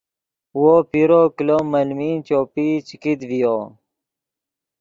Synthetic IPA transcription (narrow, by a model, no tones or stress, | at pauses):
wopiɾokilomɐlmint͡ɕoːpit͡ɕikid̪vijo